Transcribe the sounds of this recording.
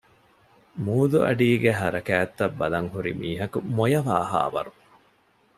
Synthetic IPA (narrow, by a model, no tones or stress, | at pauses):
muːd̪uɐ̰ɖiːɡeɦɐɾɐkæːt̪ːɐbːɐlɐŋhuɾḭmiːɦɐkumojɐʋaːɦa̰ːʋɐ̰ɾu